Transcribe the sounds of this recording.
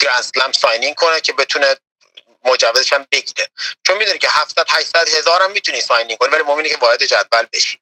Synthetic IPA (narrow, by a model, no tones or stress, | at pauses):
ɡ̥ɾænslæmsɒjniŋkʰo̞necʰebe̞t̪ʰune | mod͡ʒævezeʃæmbe̞ɡiːɾet͡ʃʰonmid̪unicʰeɦæfsæd̪hæʃsæd̪he̞zɒːɾæmːit̪ʰuniːsɒjniŋkʰonivælimominicʰevɒːɾed̪ed͡ʒæd̪vælbe̞ʃi̥